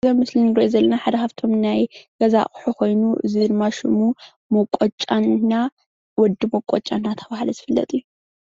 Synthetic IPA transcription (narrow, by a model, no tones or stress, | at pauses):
zɐmɨslinɾɐʔozɐlːɐnaħad̪ɐkaft̪ʰo̞mnajɡ̥ɐza̰ʔʼħukʰo̞jnuʔɨ̰zidɨdmaʃɪmu | mokʼɔt͡ʃʼːanːa | wɔd̪ɨmokʷʼɔt͡ʃʼːanːat̪ʰɐbahlɐzɨfɨlːɐ̰t̪ʼiju